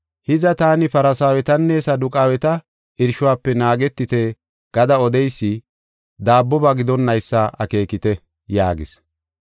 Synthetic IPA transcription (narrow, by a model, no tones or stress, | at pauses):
hɪzɐt̪aːnɪpɐɾɐsaːwɛt̪ɐnːesɐd̪ʊkʼaːwɛt̪ɐ | ɪɾʃʊwaːpːɛnaːɡɛt̪ːɪt̪e | ɡ̥ɐd̪ɐɔd̪ɛjsːɪ | d̪aːbːɔbɐɡɪd̪ɔnːɐjsːɐʔɐ̰ke̞ːkɪt̪ɛ | ja̰ːɡɪ̰s